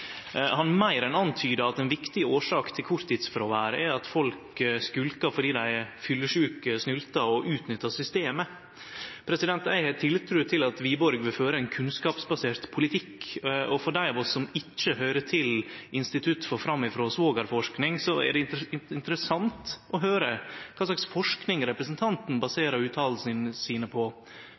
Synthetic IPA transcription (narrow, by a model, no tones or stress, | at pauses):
hɑnmæɪɾɛnɑnt̪ʰyːd̪əɑt̪ɛnʋɪkt̪ɪoːʂɑːkt̪ʰɪlkʰʊɾt̪ʰɪt̪sfɔɾɔʋæːɾəɛɑt̪fɔlkskʉlkɑfɔɖiːd̪æɪfʏlːəʂʉːkəsnʉlt̪ɑɔʔʉːt̪nʏt̪ːɑsʏst̪eːmə | pʰɾɛsɪd̪ɛnt̪æɪhɛt̪ʰɪlt̪ʰɾʉːt̪ʰɪlɑt̪ʋiːbɔɾɡʋɪlføːɾəɛnkʰʉnskɑːpsbɑseːɾt̪pʰʊlɪt̪ʰɪkːɔfɔɖæɪɔʋɔsɔmɪt͡ʃːəɦœʏɾətʰɪlʔɪnst̪ɪt̪ʰʉt̪ːfɔːɾfɾɑmːɪfɾoːsʋoːɡɑɾfɔʂknɪŋsɔɛæ̰ɖɛɪɪnt̪ɾəsɑnt̪ɔɦøːɾəkʰɑːslɑksfɔʂknɪŋɾɛpɾəsənt̪ʰɑnt̪n̩bɑseːɾɑɾʉːt̪ʰɑːll̩snəsiːnəpʰɔ